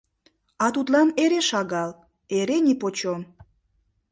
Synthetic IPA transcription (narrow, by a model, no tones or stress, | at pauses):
ɑt̪ut̪lɑneɾeʃɑɣɑl | eɾenʲipot͡ɕom